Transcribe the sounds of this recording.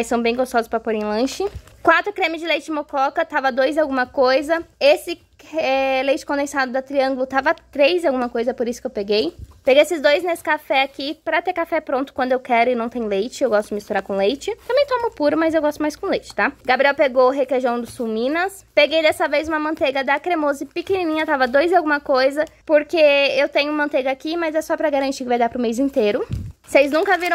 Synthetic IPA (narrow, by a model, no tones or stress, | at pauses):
jsɐ̃w̃bẽj̃ɡost̪ɔzɐspɾɐpoɾẽj̃lɐ̃ʃɪkwat̪ɾʊkɾẽmɪzd͡ʒɪlejt͡ʃɪmokɔkɐt̪avɐd̪ojzawɡũmɐkojzɐesɪ | ɛlejt͡ʃɪ̥kõnd̪ẽsad̪ʊd̪ɐt̪ɾiɐ̃ŋɡʊlʊt̪avɐat̪ɾejzɪawɡũmɐkojzɐɛpoɾisʊ̥kewpeɡejpeɡejesɪzd̪ojznesɪ̥kafɛakipɾɐt̪eɾkafɛpɾõnt̪ʊ̥kwɐ̃nd̪ʊewkɛɾʊɪnɐ̃w̃t̪ẽj̃ʊ̃lejt͡ʃɪewɡɔst̪ʊɪmist̪uɾaɾkõlejt͡ʃɪt̪ɐ̃mbẽj̃t̪õmʊpuɾʊmɐzewɡɔst̪ʊmajskõlejt͡ʃɪ̥t̪aɡabɾiɛwpeɡowɦekeʒɐ̃w̃d̪ʊsumĩnɐs | peɡejd̪ɛsɐvejzũmɐmɐ̃nt̪eɡɐd̪ɐkɾemozɪpikinĩnĩɲɐt̪avɐd̪ojzɪawɡũmɐkojzɐpoɾkeewt̪ẽɲʊmɐ̃nt̪eɡɐakimɐzɛsɔpɾɐɡaɾɐ̃nt͡ʃikɪvajd̪aɾpɾʊmejzĩnt̪eɾʊsejznũkɐviɾɐ̃